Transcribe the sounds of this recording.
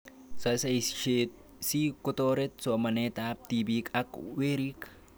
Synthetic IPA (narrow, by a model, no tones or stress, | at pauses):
sɐsɐʃe | siːkʊt̪oːɾɛt̪somɐneːt̪aːb̚t̪iːbiːkʼɐkweːɾiːk